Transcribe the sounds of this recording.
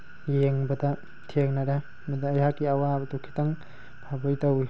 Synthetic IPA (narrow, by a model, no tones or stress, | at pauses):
jeŋbɐdɐ | tʰeŋnɐɾɐ | mɐdɐːjakiɐwabɐtukʰi̥tɐŋ | bʰʱabɔjtɐwi